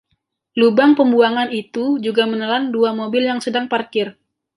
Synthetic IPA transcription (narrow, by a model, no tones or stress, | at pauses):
lubaŋpəmbuaŋanit̪ud͡ʒuɡamənəlanduamobɪljaŋsədaŋparkɪr